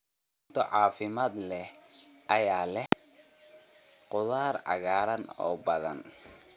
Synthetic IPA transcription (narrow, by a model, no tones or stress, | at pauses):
ʊt̪ʰɔʕɑːfɪmaːd̪lɛh | ʔɐjaːlɛ | qʊðaːɾɑ̰ɣaːɾɐnɔ̰ːbɐðɐ̰n